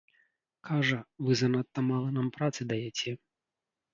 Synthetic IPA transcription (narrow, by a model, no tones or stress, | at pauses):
kʰaʐɐvɨzɐnat̪ːɐmalˠɐnampɾat̪sɨd̪ɐjɛt͡sʲɛ